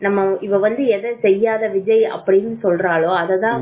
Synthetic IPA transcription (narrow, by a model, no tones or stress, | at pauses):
nɐmːɐɪʋɐʋɐnd̪ɯɛðɐsɛjːaːðɐʋɪd͡ʒɐjɐ̰pːɐɽɪnːɯsɔlɾaːɭoːɐðɐðãː